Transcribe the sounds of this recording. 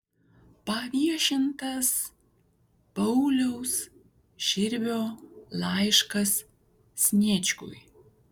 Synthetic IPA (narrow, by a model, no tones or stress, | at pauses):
pɐʋʲiɛʃʲɪnt̪ɐs | pɐʊlʲɛʊs | ʃʲɪɾʲʋʲoːlˠɑɪʃkɐsːʲ | nʲeːt͡ʃʲkʊ̰j